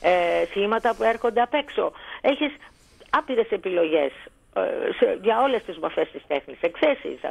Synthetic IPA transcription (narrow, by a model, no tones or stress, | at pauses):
esçimɐt̪ɐpue̞ɾxo̞nd̪e̞ɐpe̞kso̞eçis | ɐpiɾe̞se̞pilo̞ʝe̞s | seʝɐo̞le̞st̪izmofe̞st̪ist̪e̞xnisekθesḭs